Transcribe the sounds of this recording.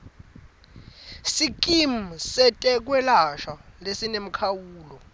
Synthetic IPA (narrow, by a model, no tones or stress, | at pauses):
sik̬ʼim̩sɛtʼɛk̬ʼwɛlaʃalesinem̩kʰawuːlɔ